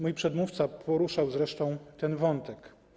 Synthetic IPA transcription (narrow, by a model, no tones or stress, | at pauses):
mujpʂɛd̪muft̪sapʰɔɾuʂawzɾɛʂt̪ɔ̃w̃t̪ɛnvɔnt̪ɛk